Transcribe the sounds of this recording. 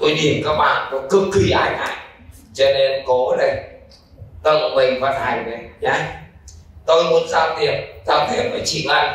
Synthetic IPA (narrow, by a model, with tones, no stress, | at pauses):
t̪o˧jɗi˨˩əmkaː˦˥k̚ɓa̰ː˧˨nt̪o˧˦jkɨ˨˦kːi˧ʔaː˧jna̰˧˨j | t͡ɕɔ˧ne˧nkɔ˨˦ɗə˨˩ | t̪o˧jmɔ˧˩mï˨˩ŋ̟va˧˩nha˨˩jna˨˩a˨˧˦j | t̪o˧jmu˨˦ənzaː˧˦˩wt̪i˨˩əmzaː˧wt̪ʰi˨˩əmfa˧˨˩t͡ɕḭ˧˥kla̰ː˧˨j